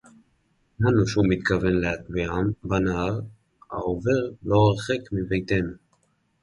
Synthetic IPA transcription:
nanuʃumit̪kave̞nleat̪viambanaaʁ | a̰ove̞ʁlo̞aʁχekmivejt̪enu

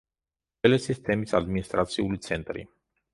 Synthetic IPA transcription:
elesist̪emit̪sʲad̪minist̪ɾat̪siulujt̪sent̪ɾḭ

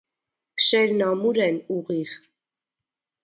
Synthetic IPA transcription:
ʃɛɾnɑmuɾɛnuʁiʁ

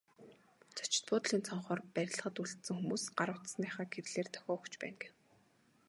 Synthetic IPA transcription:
t͡sʰḁt͡ɕɪ̥̆t̪̚pʊːt̪̆ɮiːnt͡sʰɔɴχɔːrpæɾʲɪ̆ɮ̆ʁə̆t̪uɮt̪sɘ̆ŋxumuːsɢaɾə̆w̥ʰt̪snæːχaːɡer̆ɮeːrt̪ʰœ̥xʲɔːkt͡ɕpæ̰ːnɡew

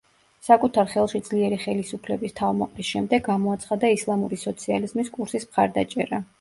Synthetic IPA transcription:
sakʼut̪ʰaɾχɛlˠʃid̪z̥liɛɾiχɛlisupʰlɛbist̪ʰavmɔqʼlisʃɛmd̪ɛɡɡamɔat̪sʰχad̪aislˠamuɾisɔt̪sʰializmiskʼuɾsismχaɾd̪at͡ʃʼɛɾa

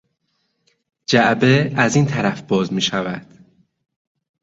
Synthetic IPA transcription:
d͡ʒæʔbeæziːnt̪ʰæɾæfb̥ɒːzmiːʃævæd̪̥

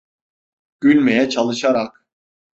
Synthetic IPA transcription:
ɟ̥ylʲmejɛt͡ʃʰalˠɯʃaɾak̚

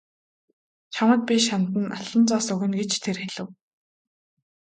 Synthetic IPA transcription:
t͡ɕʰamə̆t̪̚pʲiʃant̪ə̆nʔaɮə̆nt͡sɔːsɵɣɘ̆nɡet͡ɕt̪ʰerxeɮɘ̆w

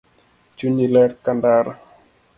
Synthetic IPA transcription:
d͡ʒuɲilɛɾkandaɾa

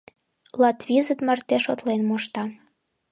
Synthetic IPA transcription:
lɑt̪βizət̪mərt̪eʃot̪lenmoʃt̪ɑ

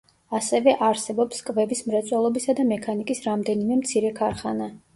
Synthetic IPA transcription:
asɛvɛʔaɾsɛbɔpskʼvɛbismɾɛt̪sʼwɛlˠɔbisad̪amɛkʰanikʼisɾamd̪ɛnimɛmt̪sʰiɾɛkʰaɾχana

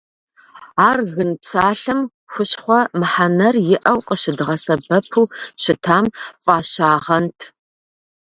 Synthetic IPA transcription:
aːrɣɨnpsaːɬɨm | xʷʊɕχʷɔmɨħanɐrjɪʔɐwqʼəʃɪdɨʁɐsɐbɐpʰuːɕɪtʰaːmfʼaːɕaːʁɐntʰ

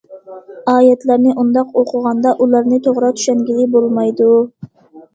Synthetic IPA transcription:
ɑːjat̪laɾnɪʔʊnd̪ɑqoqʰʊʁɑnd̪aʔʊlaɾnɪt̪ʰoʁɾɑt̪ʰʊ̥ʃaŋɡʲɪlɪbolˠmajd̪ʊ

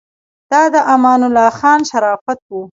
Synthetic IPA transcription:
d̪̥ɑd̪əʔamɑːnʊlɑxɑːnʃaɾɑːfat̪̚wu

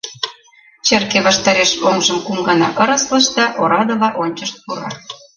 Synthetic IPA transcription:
t͡ɕerkeβɑʃt̪ɑɾeʃoŋʒə̆mkumɡɑnɑ̰ʔɤɾɤslɤ̆ʃd̪ɑʔoɾɑd̪ɤ̆lɑʔonʲt͡ɕəʃt̪̚puɾɑ̰

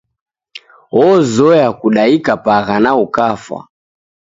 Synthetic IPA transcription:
ɔzɔjakuɗaikapaɣanaukafa̰

